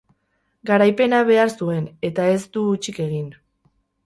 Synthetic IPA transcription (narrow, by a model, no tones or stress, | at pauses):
ɡaɾajpe̞naβe̞aɾsue̞ne̞t̪ae̞zd̪uːt͡ʃike̞ɣin